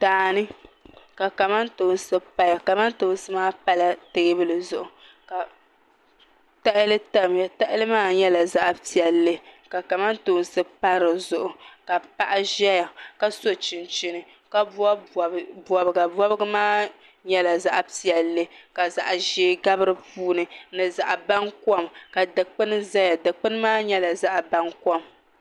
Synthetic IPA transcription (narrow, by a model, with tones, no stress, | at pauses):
taː˨nɨ˦ka˨ka˨ma˦ntoː˨n˦sɨ˦pa˦ja˨ka˨ma˦nto˨˦n˦sɨ˦maː˦pa˦la˨tɨ˨ɡɨ˦bɨ˦lɨ˨zʊ˨ʔʊ˨ | ka˨ | ta˦ʔɪ˦lɨ˦ta˦m˨a˨ta˦ʔɪ˦lɨ˦maː˦ɲɛ˦la˨za˦ʔpi˨ɛ˨lːe˦ka˨ka˨ma˦nto˨˦˨n˦sɨ˦pa˦ɾɨ˨zʊ˨ʔʊ˨ka˨pa˦ʔa˦ʒɛ˦ja˨ka˦so˦t͡ʃɪ˨nt͡ʃɪ˨nɨ˨ | ka˦bɔ˨bɨ˨ɡa˨bɔ˦bɨ˦ɡɨ˦maː˦ | ɲɛ˦la˨za˦ʔpi˨ɛ˨llːɨ˦ka˨za˨ʔʒeː˦ɡa˦bɨ˦ɾɨ˦puː˦nɨ˨nɨ˨za˨ʔa˨ba˦nkɔ˦mka˨dɨ˨k͡pɨ˦nɨ˦za˦ja˨dɨ˨k͡pɨ˦nɨ˦maː˦ɲɛ˦la˨za˦ʔba˦nkɔ˦m